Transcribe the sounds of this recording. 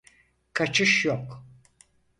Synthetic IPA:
kʰat͡ʃʰɯʃjok

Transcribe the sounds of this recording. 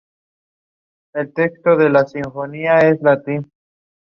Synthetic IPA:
e̞lte̞ksto̞ðe̞lasiɱfo̞niaeslat̪in

